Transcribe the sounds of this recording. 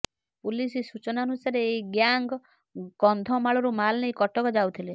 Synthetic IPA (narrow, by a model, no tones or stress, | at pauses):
pulisisut͡ʃɔnaɔnusaɾeːjɡjaŋɡ | ɡɔnd̪ʱɔmaɭɔɾumalnejkɔʈɔkɔd͡ʒawt̪ʰile